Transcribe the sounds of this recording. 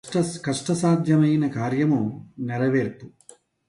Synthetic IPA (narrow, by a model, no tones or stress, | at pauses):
kɐʂʈɐsaːd̪ʱjɐmɐjnɐkaːɾjɐmumneɾɐʋeːɾt̪u